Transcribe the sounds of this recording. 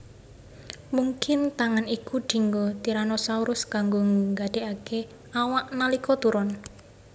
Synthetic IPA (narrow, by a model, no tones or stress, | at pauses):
muŋkɪnt̪aŋanikuɖ̪̥i̤ŋɡot̪iɾanɔsauɾʊskaŋɡoŋŋɡaɖ̥e̤ʔake | awaʔnalikɔt̪uɾɔn